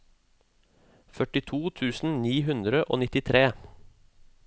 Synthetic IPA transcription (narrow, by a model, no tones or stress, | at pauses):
fœʈɪt̪ʰuːt̪ʰʉːsn̩niːɦʉnd̪ɾəʔo̰ːnɪt̪ɪt̪ʰɾeː